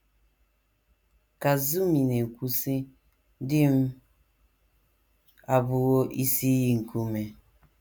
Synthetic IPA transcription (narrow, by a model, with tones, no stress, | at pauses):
ka˨zu˦mi˨ne˨kʷu˦si˦ | dɪ˦m̩˦ | a˨bʊ˦wo˦ʔi˦si˦ji˦ŋ̩˨ku˦me˨